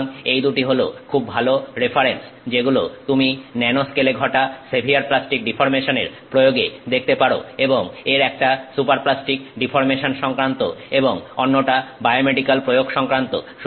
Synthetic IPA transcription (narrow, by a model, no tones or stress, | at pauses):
ŋejd̪uʈiɦolo̰kʰubːʱaloɾefʰaɾens | d͡ʑeɡulot̪uminɛnoskeleɡʱɔʈasebʱiaɾplasʈik̚ɖifʰoɾmeʃoneɾpɾojoɡed̪ek̚t̪epaɽo̰eboŋeɾɛk̚ʈasupaɾplasʈikɖifoɾmeʃonʃɔŋkɾant̪o̰eboŋonːoʈabaejomeɖikalpɾojoɡʃɔŋkɾant̪o̰ʃ